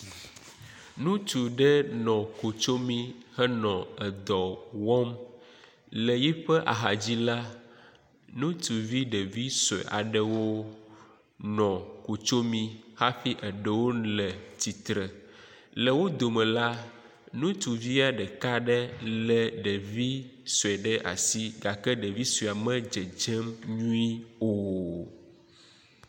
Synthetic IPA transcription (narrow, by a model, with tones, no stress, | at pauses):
nũ˦t̪u˨ɖɛ˦nɔ̃˨ko˨t͡ʃo˦mĩ˦hɛ˦nɔ̃˨ɛ˨d̪ɔ˨wɔ˦m | lɛ˨ji˦ɸɛ˦ʔa˨ɦa˨d͡ʑi˦la˦ | nũ˦t̪u˨vi˦ɖə˨vi˦sɛ̰˨ʔa̰˨ɖɛ˨wo˦ | nɔ̃˨ko˨t͡ʃo˦mĩ˦ha˦ɸi˦ʔə˨ɖə˨wo˦lɛ˨t̪i˨t̪ɾɛ˨ | lɛ˨wo˦d̪o˨mɛ̃˨la˦ | nũ˦t̪u˨vi˦a˨ɖɛ˨ka˦ɖɛ˦lɛ˨ɖɛ˨vi˦so˨ɛ˨ɖɛ˦ʔa̰˨si˦ɡa˨kɛ˦ɖɛ˨vi˦sa˨mɛ̃˦d͡ʒɛ˨d͡ʒɛ˦mɲũ˦i˦o˦˨